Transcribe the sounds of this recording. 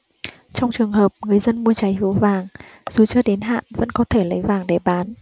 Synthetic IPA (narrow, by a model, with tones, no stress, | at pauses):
t͡ɕɔ˧wŋ͡mt͡ɕɨ˨˩əŋɦəː˨˩p̚ŋɨ˨˩əjzə˧nmu˧ət͡ɕa˨˦jɦi˨˦əwvaː˨˩ŋz̥u˨˩t͡ɕɨː˧əɗe˨˦nɦa̰ː˧˨nvə̰˧˥nkɔ˨˦t̪ʰe˧˩lə˨˦jvaː˨˩ŋɗe˧˩ɓaː˨˦n